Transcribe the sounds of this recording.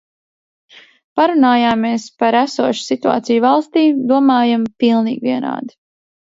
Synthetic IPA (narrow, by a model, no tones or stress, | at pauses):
paɾunaːjaːmːeːspaɾæsuɔʃsit̪ua̰ːt̪sijuvalˠst̪iːd̪uɔmaːjampilˠniːɡviɛna̰ːd̪i̥